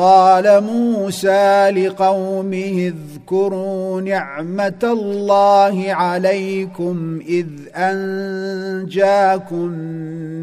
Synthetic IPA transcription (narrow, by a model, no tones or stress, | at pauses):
qɑːlamuːsaːlɪqɑwmɪhɪð | kʊɾuːnɪʕmat̪alːɑːhɪʕalajkʊmʔɪð | ʔan | d͡ʒaːkʊn